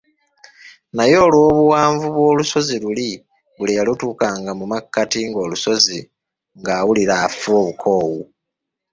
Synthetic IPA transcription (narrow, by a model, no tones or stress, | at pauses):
najo̞ːlwo̞ːβuwaːɱvuβwo̞ːluso̞ziluli | βulijalutuːkaːŋɡamumakːatiŋɡo̞ːluso̞zi | ŋɡaːwuliɾaːfuo̞ːβukʰo̞ːwu